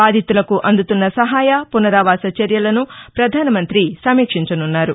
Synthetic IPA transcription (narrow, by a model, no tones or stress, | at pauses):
baːd̪ʱit̪ulɐkuʔɐnd̪ut̪unːɐsɐɦaːjɐpunɐɾaːʋaːsɐt͡ʃɐɾjɐlɐnupɾɐd̪ʱaːnɐmɐnt̪ɾisɐmiːkʂiɲt͡ʃɐnunːaːɾu